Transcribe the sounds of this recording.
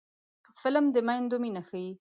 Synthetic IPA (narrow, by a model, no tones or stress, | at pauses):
pəfɪləmd̪əmajnd̪ominaxaji